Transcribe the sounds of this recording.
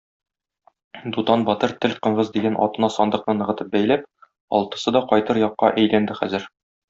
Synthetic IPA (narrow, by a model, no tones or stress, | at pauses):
d̪ut̪ɑnbɒt̪ɤɾt̪ɘlqɤ̆ɴʁɤzd̪iɡænʔɒ̰t̪ɤ̆nɑsɒnd̪ɤ̆qnɤnɤ̆ʁɤ̆t̪ɤp̚bæjlæp̚ | ɒ̰lˠt̪ɤ̆sɤd̪ɒqɒjt̪ɤɾjɒqːɑʔæjlænd̪ɘχæ̰zɘɾ